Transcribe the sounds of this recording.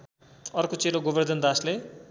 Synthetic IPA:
ʌrkot͡seɾoɡobʌrd̪ʌnd̪asle

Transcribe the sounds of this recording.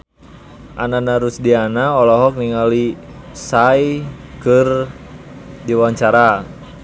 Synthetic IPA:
ʔa̰nanaɾusdianaɔlɔɦɔk̚niŋalisajkɨr | diwaɲt͡ʃaɾa

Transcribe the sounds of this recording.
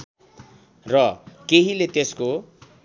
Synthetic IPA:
rʌkeɦilet̪esko

